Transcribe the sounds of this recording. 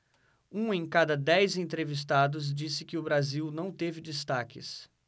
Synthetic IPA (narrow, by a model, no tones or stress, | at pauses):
ũẽj̃kad̪ɐd̪ɛjzẽnt̪ɾevis̬t̪ad̪ʊz̬d͡ʒisɪkɪʊbɾaziwnɐ̃w̃t̪evɪd͡ʒist̪akɪ̰s